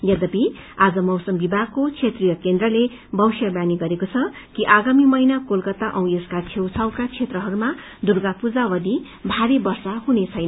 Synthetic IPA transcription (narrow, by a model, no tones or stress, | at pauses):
jʌd̪ʌpi | ad͡zʌmʌwsʌmbibʱaɡkːot͡sʰet̪rijʌkend̪rʌle | bʱʌwsjʌbjaniɡʌɾekot͡sʰʌkiʔaɡamimʌjnakolkʌt̪ːaʔʌw̃eskat͡sʰewt͡sʰʌwkat͡sʰet̪rʌɦʌɾuma | d̪urɡapud͡zawʌd̪i | bʱaɾibʌrsaɦunet͡sʰʌjnʌ